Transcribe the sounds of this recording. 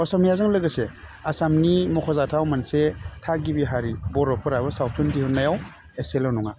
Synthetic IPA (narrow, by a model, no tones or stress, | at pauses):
ɔsɔmijazɯŋlɯɡɐse | asamnimɔkʰɔzatʰawmansetʰaɡibiɦaɾibɔɾɔpʰɯɾajbɐsawtʰuntihunːajaw | eselawnɔŋa